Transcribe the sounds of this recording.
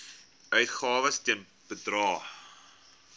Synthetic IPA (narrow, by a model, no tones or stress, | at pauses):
ʔœɥtχɑːvəstiən | b̥ədrɑː